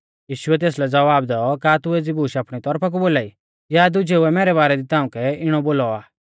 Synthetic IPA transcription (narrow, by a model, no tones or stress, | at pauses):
jiːʃʊɛt̪̬eːslɛd͡zɐʋaːbd̪ɛɔkaːt̪ʊeːd͡zibuːʃaːpɽ̃it̪ɔɾpʰak̬uboːlaːi | jad̪ʊd͡ʒʱeʊɛmɛːɾɛβaːɾɛd̪it̪aːʊũkɛɪɽ̃ɔboːlɔaː